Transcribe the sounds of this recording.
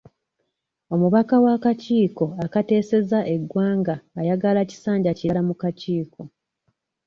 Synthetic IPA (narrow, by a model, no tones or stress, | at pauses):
o̞muβakawakaciːko̞akate̞ːse̞zaʔe̞ɡːwaːŋɡaːjaɡalaci̥saːɲɟacialamukaciːkʰo̞